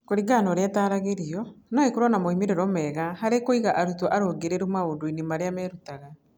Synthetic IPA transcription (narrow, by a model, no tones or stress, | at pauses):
koɾiɡanɔɾeataːɾaɣeɾiɔnaekoɾɔnamoimeɾeɾɔmɛɣahaɾekoiɣaʔaɾutɔʔaɾoɡeɾeɾumaoːdoinimaɾeamɛɾutaɣa